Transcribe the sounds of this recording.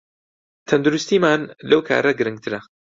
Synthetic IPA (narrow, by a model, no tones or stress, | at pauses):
t̪ʰɐnd̪ʊɾust̪iːmaːnlɐwkʰa̰ːɾɐɡɨɾɨŋɡ̚t̪ʰɨɾɐ